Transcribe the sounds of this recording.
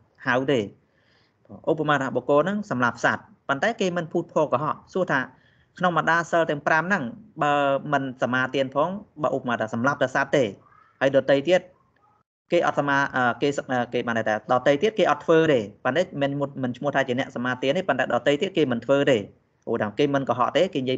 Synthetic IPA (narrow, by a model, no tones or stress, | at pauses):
hawt̪eː | pːʔupːamaːt̪ːʰaːɓoːkoːnɨŋsɑmlap̚ʰsaːt̪̚ | pont̪aɛkeːmɨnpʰuːt̪̚pʰoːkɑɦɑ̰ʔsuəht̪ʰaː | kʰnoŋməɗaːlsəlt̪ɛ̆əŋpramnɨŋɓaəmɨnsamaːt̪iənpʰɔːŋɓa̰ːʔupamaːt̪ʰːaːsɑmlap̚t̪ɛəsat̪ːeː | həjɗɑt̪əjt̪iət̪̚ | keːʔɑ̰t̪̚samaːʔəːkeːəːkeːɓanɗat̪ʰaːɗɑːt̪əjt̪iət̪̚keːʔɑt̪ʰːʋəːt̪eːpənt̪ɛːmɛnmɨnt͡ɕʰmʊəht̪ʰaːt͡ɕiənɛ̆əʔsamaːt̪iənːihpont̪aɛɗɑːt̪əjt̪iət̪̚keːmɨnt̪ʰʋəːt̪eː | ʔoːɗakeːmɨnkɔɦɑ̰ʔt̪eːkeːnjiə